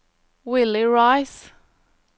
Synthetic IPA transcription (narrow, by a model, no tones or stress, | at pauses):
wɪlɪɹaɪs